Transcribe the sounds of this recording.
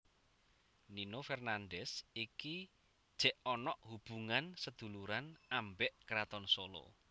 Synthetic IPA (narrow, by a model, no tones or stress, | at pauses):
ninofɛrnanɖɛsiki | d̥ʒ̥ɛʔɔnɔʔhub̥ṳŋansəd̪̥ṳluɾanambɛʔkɾat̪ɔnsolo̰